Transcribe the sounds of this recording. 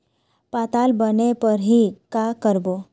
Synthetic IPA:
paːt̪aːlbənepəɾɦikakəɾbo

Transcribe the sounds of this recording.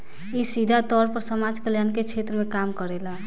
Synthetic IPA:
isid̪ʱat̪ɔɾpəɾsəmad͡ʒkəljanket͡ʃʰet̪ɾəmekamkəɾela

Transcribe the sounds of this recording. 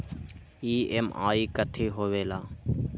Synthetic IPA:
iːeːma̰ːiːkət̪ʰeːɦoːʋeːlaː

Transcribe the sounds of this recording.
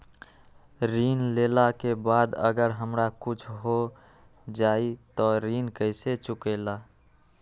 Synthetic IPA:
ɾiːnleːlakebaːd̪ə̰ɡəɾɦəmɾakʊt͡ʃʰɦo | d͡ʒaːit̪ɔɾiːnkəɪset͡ʃʊkela

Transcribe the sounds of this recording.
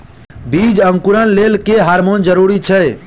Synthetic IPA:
bʱid͡ʒəŋkuɾənlelkeɦaɾmond͡ʒəɾuɾit͡ʃʰɛ

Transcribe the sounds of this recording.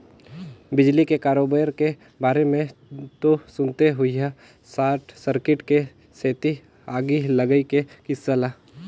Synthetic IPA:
bɪd͡ʒlikekaːɾoːbəjɾke | baːɾemẽt̪osʊnt̪eɦʊiɦa | saːʈʰsəɾkɪʈke | seːt̪i | aːɡiləɡəikekɪsːəla

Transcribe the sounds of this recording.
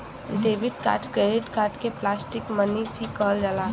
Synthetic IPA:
d̪eːbɪt̪ka̰ːʈkɾeɪʈkaːɾʈkeplaːsʈɪkmənibʱikəld͡ʒalaː

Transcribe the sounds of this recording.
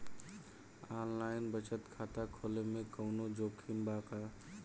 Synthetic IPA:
aːnlaːɪnbət͡ʃət̪kʰaːt̪akʰoːlemẽkəʊnod͡ʒoːkʰimbaːka

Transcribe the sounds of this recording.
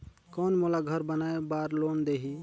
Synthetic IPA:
kɔnmolaɡʱəɾbənaebaɾlond̪eɦi

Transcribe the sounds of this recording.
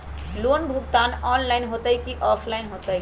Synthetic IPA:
lonbʱuɡt̪anɔnlaɪnɦot̪əjkiʔɔpʰlaɪnɦot̪ə

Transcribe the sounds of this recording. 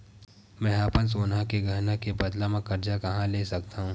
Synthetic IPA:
mɛ̃ːɐpəns̬oːnãkeɡʱɐɾnakebɐd̪lamẽkɐɾd͡ʒakɐɦãleːsɐkt̪aɦũː

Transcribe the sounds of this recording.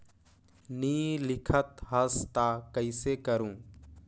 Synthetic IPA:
niːlɪkʰət̪ɦəst̪aːkəɪseːkəɾũː

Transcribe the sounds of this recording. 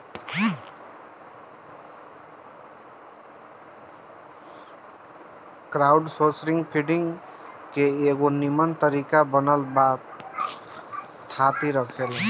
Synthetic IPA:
kɾaʊɖsosɾɪŋɡpʰiɖɪ̃ŋɡ | keeɡonimənt̪əɾikabənəlbaːt | t̪ʰːat̪iɾəkʰel

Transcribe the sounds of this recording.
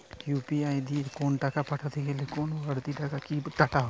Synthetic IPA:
juːpiaːjd̪ikoːnʈakapʰɐʈʰat̪ʰikɛlikoːnoɐɽt̪iʈakakiʈaʈa

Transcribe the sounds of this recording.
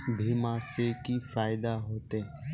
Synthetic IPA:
bʱiːmãːseːkiːfaːɪd̪aːɦoːt̪eː

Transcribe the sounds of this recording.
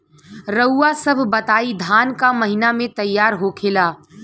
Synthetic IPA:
ɾəʊːasəbʱbɐt̪aːid̪ʱaːnkamɐɦɪnamẽt̪ɐjːaːɾɦokʰeːlaː

